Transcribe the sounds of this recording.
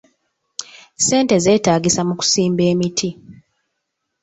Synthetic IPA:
se̞ːnte̞ze̞ːtaːɡisamuku̥siːmbe̞ːmitʰi

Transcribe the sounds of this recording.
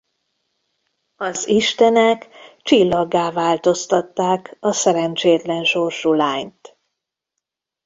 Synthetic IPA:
ɒziʃt̪ɛnɛkt͡ʃilːɒɡːaːvaːlt̪o̞st̪ɒt̪ːaːkɒsɛɾɛnt͡ʃeːt̪lɛnʃo̞rʃulaːɲt̪

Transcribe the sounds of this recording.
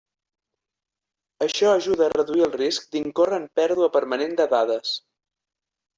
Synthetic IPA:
əʃɔəʒuðəːrəðuiəlˠrisk̚d̪iŋkorəmpɛɾðuəpəɾmənend̪əðaðəs

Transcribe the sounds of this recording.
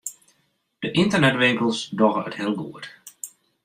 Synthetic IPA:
d̥əʔɪntənɛtʋɪŋkəlˠsdɔɣəəthɪəlˠɡuət

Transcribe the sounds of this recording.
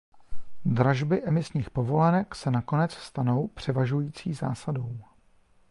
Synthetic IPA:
d̪ɾaʒbɪʔɛmɪsɲiːxpo̞vo̞lɛnɛksɛnako̞nɛt͡sst̪ano̞wpr̝̥ɛvaʒujiːt͡siːza̰ːsado̞w

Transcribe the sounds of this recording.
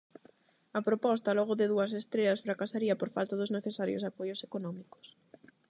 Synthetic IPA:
ɐpɾopɔst̪ɐlɔɣʊðɪðuɐsest̪ɾeʎɐsfɾakasaɾiɐpoɾfa̰lt̪aðʊzneθesaɾjo̰sapojosekonɔmiko̥s

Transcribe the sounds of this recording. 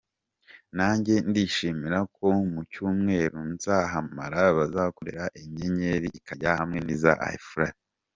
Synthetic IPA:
naːɲɟe̞ndiʃimiɾakʰo̞mucuːmŋe̞ːɾunz̥aɦama̰ɾaβazako̞ɾe̞ɾaʔeɲe̞ɲe̞ɾiːkaɟahamŋeniza̰ʔa̰jfɾad

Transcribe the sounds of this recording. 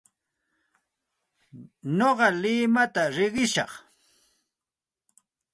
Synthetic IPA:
noɢɑlɪmat̪aɾɪɢɪʃɑ̰χ

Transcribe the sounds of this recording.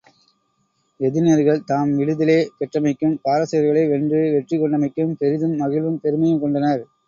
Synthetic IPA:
ɛðɪneɾɣɐɭt̪aːmʋɪɽɯðɪleːpɛʈrɐmɐɪkːɯmpaːɾɐsɐjɐɾɣɐɭɐɪʋɛɳdrɯʋɛʈrikːɔɳɖɐmɐɪkːɯmpɛɾɪðɯmːɐɣɪlʋɯmpɛɾɯmɐjɐmkɔɳɖɐnɐɾ

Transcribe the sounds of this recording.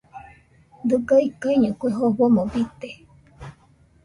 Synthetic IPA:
d̪ɨɡaikaiɲɨkʷeɦoɸomobit̪e

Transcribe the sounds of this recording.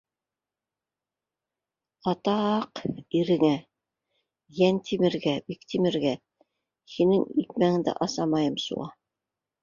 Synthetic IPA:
ɑt̪ɑqiɾɘ̆ŋæ | jænt̪ʰimɘ̆ɾɡæbikt̪imɘ̆ɾɡæ | hinɘŋik̪̚mæŋɘ̆ŋd̪æ̰ʔɑsɑmɑjɤmsṵʁɑ

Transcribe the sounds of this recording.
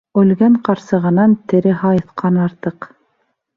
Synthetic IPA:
ɵlɡæɴqɑɾsɤ̆ʁɤ̆nɑnt̪ɘ̆ɾɘhɑjɤ̆θqɑnɑɾt̪ɤq

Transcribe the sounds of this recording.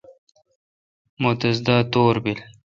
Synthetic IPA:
mot̪ɐzd̪aːt̪oːɾbil

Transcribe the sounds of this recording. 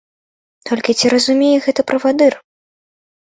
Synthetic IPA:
t̪ɔlʲkʲit͡sʲiɾɐzumʲejɛɣɛt̪ɐpɾɐvad̪ɨr

